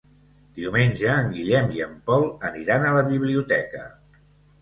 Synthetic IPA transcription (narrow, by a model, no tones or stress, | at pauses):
d̪̥iumenʲʒəːŋɡiʎɛmiəmpɔlˠəniɾanələβiβ̞liut̪ɛkə̰